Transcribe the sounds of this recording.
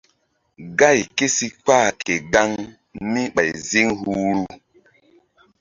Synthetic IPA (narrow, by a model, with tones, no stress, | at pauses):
ɡa˦˨jke˦si˦k͡pa˦˨kʰe˨ɡa˦ŋ | mi˦ɓa˨jzi˦ŋhu˦ɾu˦